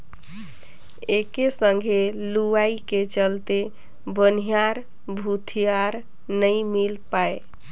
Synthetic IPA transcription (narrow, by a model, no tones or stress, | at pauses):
ekesə̃ŋɡʱeluaiket͡ʃəlt̪e | bənijaɾ | bʱut̪ʰijaɾ | nəimilpae